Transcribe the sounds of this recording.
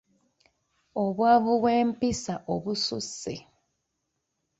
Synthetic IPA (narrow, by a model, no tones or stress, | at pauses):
oβwaːβuweːmpisaʔoβusṵsi